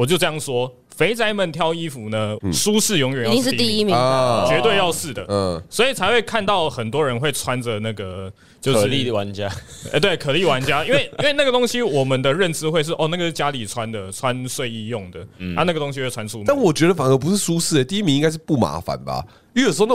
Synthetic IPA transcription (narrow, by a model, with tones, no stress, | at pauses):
wɔ˨˩t͡ɕjo˥˧ʊʈ͡ʂɤ˥˧jɑ˥˩ŋʂwɔ˥ | fe˧˥ɪt͡sa˥ɪmə˥˨nt̪ʰjɑ˥˧ʊi˥fu˨˩nə˦su˦˥s̩˥˩jo˧˥ŋjɥɛ˨˩njʂi˥t̪i˥i˥mit͡ɕɥɛ˧˥t̪we˥˧ɪjɑ˥˧ʊʂɻ̩˥˩d̪ə̰˩swɔ˧˥i˨˩t͡sʰa˧˥ɪxwe˥˧ɪkʰa˥˧nt̪ɑ˥˩ʊxə˨˩nt̪wɔ˥ɻə˧˦nxwe˥˩ɪt͡sʰwa˦nd͡zə˨na˥˩ɡə˩ | t͡ɕjo˥˧ʊʂɻa˧˦nt͡ɕja˦˥˧ | t̪we˥˩ɪkʰɤ˨˩li˥˩wa˧˦nt͡ɕja˦˥i˥nwe˥˩ɪinwe˥˧ɪna˥˩ɡə˩t̪o˥ŋɕi˦wɔ˨˩mə˨nd̪ə˨ɻə˥˨˩nt͡sɹ̩˧˥xwe˥˧ɪʂ̬ɻ̩˥˩ʔɔ˥˨na˥˩ɡə˩ʂ̩˥˩t͡ɕja˥li˨˩t͡sʰwa˦nd̪ə˨t͡sʰwa˦nswe˥˧ɪi˥˧jo˥˩ŋd̪ə˩na˥˧na˥˩ɡə˩t̪o˥ŋɕi˧˥˧t͡sʰwa˥nsʰu˥˧t̪a˥˩nwɔ˨˩t͡ɕɥɛ˧˦˥d̪ə˨˩fa˨˩ŋə˧˦p̬u˧˦ʂɻ̩˥˩su˦s̩˥˩e˨˩t̪i˥˩i˥mi˧ŋi˥ŋɡa˥ɪʂ̬̩˥˧pu˥˩ma̰˧˥fa̰˨nba̰˨ | jo˧˥jo˨˩s̩˧˥o˥˧n˥˩